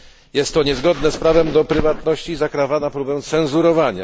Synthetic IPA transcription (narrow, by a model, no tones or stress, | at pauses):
jɛst̪ːɔɲɛzɡɔd̪nɛspɾavɛmd̪ɔpɾɘvat̪nɔɕt͡ɕizakɾavanapɾubɛ̃w̃t̪sɛñzuɾɔvaɲa̰